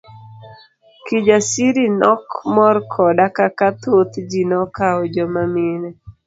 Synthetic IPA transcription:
kid͡ʒasiɾinɔkmɔrkʰɔdakakat̪ot̪d͡ʒinɔkaɔd͡ʒɔmamɪnɛ

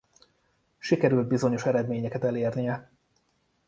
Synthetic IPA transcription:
ʃikɛɾyld̪bizo̞ɲo̞ʃɛɾɛd̪meːɲɛkɛt̪ɛleːrnijɛ

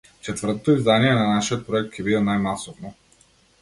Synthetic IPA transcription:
t͡ʃɛt̪vəɾt̪ot̪oizd̪aniɛnɐnaʃiət̪̚pɾoɛk̚t̪̚kʰʲɛvid̪ɛnajmasovno

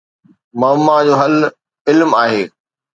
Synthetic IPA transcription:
mɐmːad͡ʑoːɦɐl | ɪlmaːɦeː

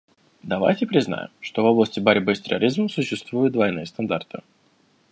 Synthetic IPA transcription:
d̪ɐva̰jtʲɪpɾʲɪzna̰jɪ̰mʂt̪ovo̞blˠəsʲtʲɪbaɾʲbɨsʲt̪ʲɪɾʲɐ̰ɾʲizməsʊɕːɪst̪vujʊt̪̚d̪vɐjnɨjəst̪ɐnd̪art̪ɨ̰

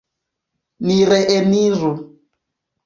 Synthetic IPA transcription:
niɾɛʔɛniɾu

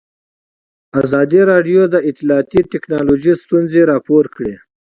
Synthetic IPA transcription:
azɑd̪iɾɑɖjod̪əɪt̪ːilɑːt̪iʈɪknɑloʒist̪unzeɾɑpoɾkɽe

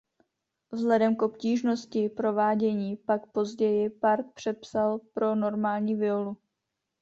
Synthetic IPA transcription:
vzlɛdɛmkʔo̞pciːʒno̞scɪpɾo̞vaːɟɛɲiːpakpo̞zɟɛjɪpaɾt̪̚pr̝̥ɛpsalpɾo̞no̞ɾmaːlɲiːvɪolu

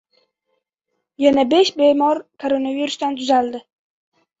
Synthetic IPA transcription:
janabe̞ʃbe̞mɒɾkʰoɾonaviɾʊsd̪ant̪ʰʊzald̪ɪ

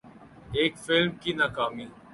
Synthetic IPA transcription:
eːkfɪlmkiːnaːkaːmiː

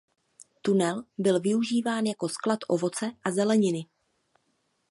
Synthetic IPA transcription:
t̪unɛlbɪlvɪuʒiːvaːnjako̞sklat̪ʔo̞vo̞t͡sɛʔazɛlɛɲɪnɪ

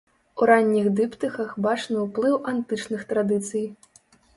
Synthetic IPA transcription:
uɾanʲːiɣd̪ɨpt̪ɨxɐxbat͡ʂnɐwplˠɨwʔant̪ɨt͡ʂnɨxt̪ɾad̪ɨt̪sɨj

